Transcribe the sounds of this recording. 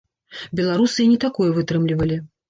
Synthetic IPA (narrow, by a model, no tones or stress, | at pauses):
bʲɛlˠaɾusɨinʲɛt̪akɔjɛvɨt̪ɾɨmlʲivɐlʲi